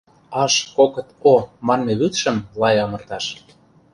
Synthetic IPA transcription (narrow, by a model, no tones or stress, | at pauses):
ɑʃkokɤ̆t̪omɑnmeβyt̪ʃə̆mlɑjɑmɤ̆rt̪ɑʃ